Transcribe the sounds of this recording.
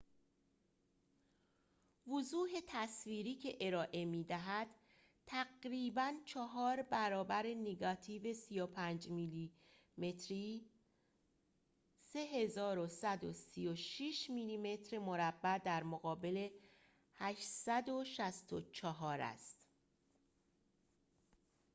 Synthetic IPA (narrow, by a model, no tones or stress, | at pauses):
vozuːɦe̞t̪ʰæsviːɾiːcʰe̞ʔe̞ɾɒːʔe̞miːd̪æɦæd̪̥ | t̪ʰæɡɾiːbænt͡ʃʰɒɦɒːɾbæɾɒːbæɾe̞neɡɒt̪ʰiːve̞sijopʰænd͡ʒmili | met̪ʰɾi | se̞ɦe̞zɒːɾosæd̪osijoʃiʃmiːliːme̞t̪ʰɾemo̞ɾæbːæd̪æɾmoɣɒːbe̞le̞ | hæʃsæd̪oʃæst̪ot͡ʃʰɒɦɒːɾæ̰st̪